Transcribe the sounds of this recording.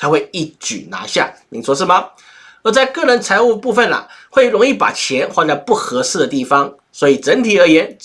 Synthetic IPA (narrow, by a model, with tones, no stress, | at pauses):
t͡sʰa˧˥xwe˥˧ɪi˥˩t͡ɕy̰˨˩na̰˧˥ɕja˥˩ni˨˩ʂwɔ˥ʂɻ̩˥˩mɐ˨ | ə˧˥t͡sa˥˧ɪkɤ˥˩ɻə˧˥nt͡sʰa˧˥ɪu˥˧pu˥˧fə˨˩nlɐ̰˩xwe˥˩ɪɻʊ˧˥ŋi˥˩pa̰˨˩t͡ɕʰjɛ˧˥nxwa˥˧t̪ja˥˧ʊpu˥˩xɤ˧˥ʂɹ̩˥˩d̪ə˩t̪i˥˩fɑ˦ŋ | swɔ˧˥i˨˩ʈ͡ʂə˧˥nt̪ʰi˨˩ə˞˧˥jɛ˧˥n